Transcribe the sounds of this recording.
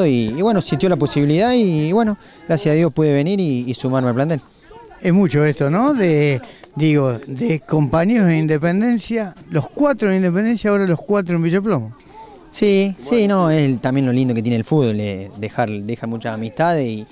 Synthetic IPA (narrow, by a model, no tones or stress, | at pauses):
oiːβwenosint̪jolapo̞siβiliðaiweno | ɣɾasjasaðjo̞spwuðeβeniɾiːsumaɾmealplant̪̬el | esmut͡ʃoest̪onoðed̪iɣoðeko̞mpaɲeɾoðeind̪ep̬end̪ensjalo̞hkwat̪ɾoind̪ep̬end̪ensjaoɾalohkwat̪̬ɾoembiʒeplomo | sisinoest̪ambje̞nlo̞lind̪oket̪jenelfuβolḛd̪exaɾd̪exaɾmut͡ʃasamiht̪aðesi